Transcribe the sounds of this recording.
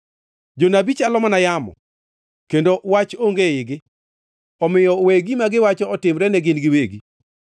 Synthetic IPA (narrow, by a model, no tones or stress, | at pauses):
d͡ʒonabit͡ʃalɔmanajamɔ̰ | kendowat͡ʃoŋɡeɪɡɪ | ɔmɪjɔweɡimaɡɪwat͡ʃɔɔtɪmɾɛnɛɡɪnɡɪweɡi